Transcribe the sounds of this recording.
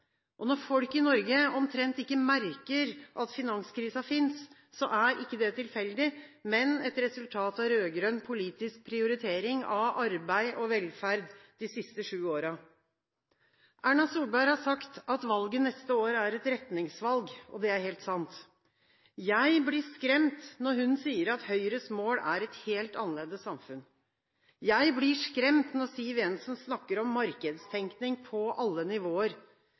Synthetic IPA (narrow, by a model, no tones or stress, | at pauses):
ʔɔnɔɾfɔlkɪnɔɾɡəɔmt̪ʰɾɛnt̪ɪkːəmæɾkəɾʔɑt̪fɪnɑnskʰɾiːsɑfɪnsː | ɔʔæɾʔɪkːəd̪ɛt̪ʰɪlfɛld̪ɪmɛnɛt̪ɾɛsʉlt̪ʰɑːt̪ɑʋɾøːɡɾønpʰʊliːt̪ɪsk̚pʰɾɪʊɾɪt̪ʰeːɾɪŋɑʋɑɾbæɪʔɔʋɛlfæɾd̪d̪ɪsɪst̪əʂʉːoːɾɑ | ʔæːɳɑsuːlbæɪɾhɑʂɑkt̪ɑt̪ʋɑlɡənɛst̪əoːɾəæɾɛt̪ɾɛt̪nɪŋsʋɑlɡɔd̪ɛæɾheːlt̪sɑnt̪ | jæɪblɪʂkɾɛmt̪nɔɾhʉnsiːəɾɑt̪hœʏɾəsmoːlæɾɛt̪heːlt̪ɑnəleːd̪əssɑmfʉn | jæɪblɪʂkɾɛmt̪nɔɾsiːʋɛnsɔmsnɑkːəɾɔmːɑɾkəd̪st̪ʰɛŋknɪŋpʰɔʔɑlːənɪʋoːəɾ